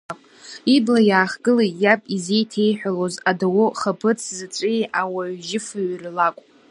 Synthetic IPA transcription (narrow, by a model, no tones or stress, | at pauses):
kʷʼ | iblajaːχɡɨlajapʼize̞jtʰe̞jħʷᶣalozadawʊχapʰɨt͡sʰzɨt͡sʷʼijawaɥʒɪfaɥrlakʷʼ